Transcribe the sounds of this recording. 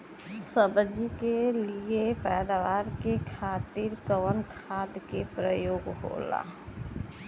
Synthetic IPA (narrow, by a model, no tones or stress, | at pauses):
səbd͡ʒikeliepɛːd̪aʋaːɾkekʰaːt̪iɾkəʋənkʰaːd̪kepɾəjoːɡɦo̰la̰